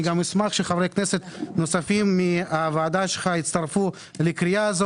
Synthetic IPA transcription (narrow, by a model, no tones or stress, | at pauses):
iɡamismaχʃeχavɾejkneset̪nosafimːiavaːd̪aʃelχait̪t͡st̪aɾfu | lekɾijaːzo